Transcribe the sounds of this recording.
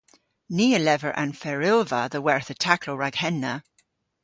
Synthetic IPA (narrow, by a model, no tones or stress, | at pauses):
niːəlɛvəɹʔə̰̃nfɛɹɪlˠvə̰ðəwɛɹθətʰakʰloɹaɡhɛnːə